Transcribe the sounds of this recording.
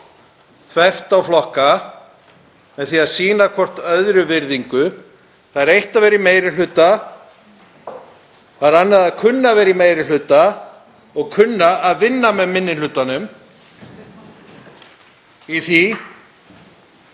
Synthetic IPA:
kʰvɛr̥t̪awflɔhka | mɛðθiaðsiːnakʰɔr̥t̪œðɾʏvɪɾðiŋkʏ | θaðɛɾejht̪avɛːɾɪmeːjɾɪl̥ʏt̪a | aðɾanːaðaðkʰʏnːavɛːɾimeːjɾɪl̥ʏːt̪a | ɔɣkʰʏnːaːðvɪnːamɛðmɪnːɪnlʏt̪anʏm | iθi

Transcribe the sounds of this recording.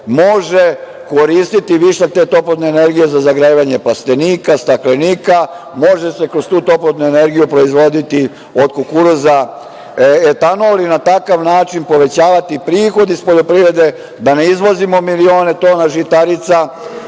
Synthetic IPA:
mo̞ʒe | ko̞ɾiːst̪it̪iʋiʃat̪et̪o̞plod̪ne̞eːne̞ɾɡije̞zazaɡɾaiʋaɲe̞plast̪e̞niːkast̪akleniːka | mo̞ʒese̞kɾost̪uːt̪o̞plod̪nuene̞ɾɡijupɾo̞izʋo̞d̪it̪i | o̞d̪kokuɾuza | et̪anolinat̪akaʋnaːt͡ʃinpo̞ʋe̞t͡ɕaːʋat̪ipɾiːxo̞d̪ispoʎo̞pɾiʋɾe̞d̪e̞ | d̪ane̞izʋo̞zimo̞milio̞ːne̞t̪o̞ːnaʒit̪aɾit̪sa

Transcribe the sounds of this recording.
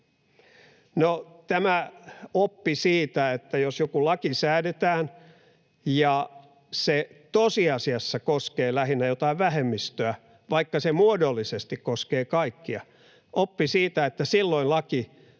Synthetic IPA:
not̪æmæopːisiːt̪æet̪ːæjosjokulɑkisæːdet̪æːn | jɑ | set̪osiɑsiɑsːɑkoskeːlæhinːæjot̪ɑiʋʋæhemːist̪øæ | ʋɑikːɑsemuodolːisest̪ikkoskeːkɑikːiɑ̰ | ʔopːisiːt̪æet̪ːæsilːoillɑki

